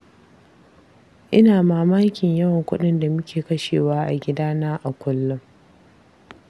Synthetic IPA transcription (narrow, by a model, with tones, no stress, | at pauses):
ʔɪ˦naː˨maː˨maː˦kʲɪ˨ɲjɐ˦wɐ˨ŋkʷʊ̰˦ɗɪ˦nda˨mʊ˦kʲʰeː˨kɐ˦ʃeː˨waː˦ʔa˨ɡʲɪ˦daː˦naː˦ʔa˨kʷʊ˦lːʊ˦ŋ